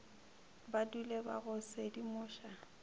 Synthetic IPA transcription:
baduleba̰ɣʊsedimʊːʃa

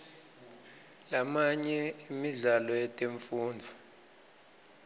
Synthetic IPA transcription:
lamaɲɛimiɮalɔjɛtʼeɱfuːndʱu

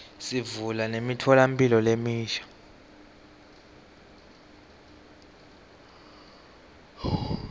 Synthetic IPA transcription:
sivulanemitʰɔlampʼilɔlemiːʃḁ

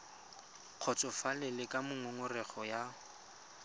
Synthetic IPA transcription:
q͡χʰɔt͡sʼɔfalɪlɪkʼamʊŋʊŋʊrɛχɔja

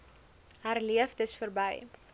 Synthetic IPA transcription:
ɦærliəfdəsfərbəj

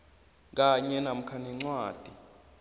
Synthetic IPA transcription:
k̬aɲɛnam̩kʰaniŋ͡ǀwaːd̥ʱi

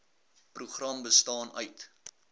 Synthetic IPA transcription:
pruχrɐmbəstɑːnœɥt

